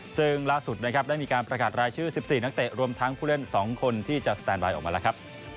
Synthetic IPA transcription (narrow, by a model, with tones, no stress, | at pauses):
sɯ˥˩ŋlaː˥˩su˨˩t̪̚na˦˥kʰa˦˥p̚daː˥˩jmiː˧kaː˧npɾa˧kaː˨˩t̪̚ɾaː˧jt͡ɕʰɯː˥˩si˨˩p̚siː˨˩na˦˥k̚t̪e˨˩ɾu˧əmt̪ʰa˦˥ŋpʰuː˥˩le˥˩nsɔː˩˦ŋkʰo˧nt̪ʰiː˥˩t͡ɕa˨˩sḁ˧t̪ɛː˧nbaː˧jʔɔː˨˩maː˧lɛ˦˥kʰa˦˥p̚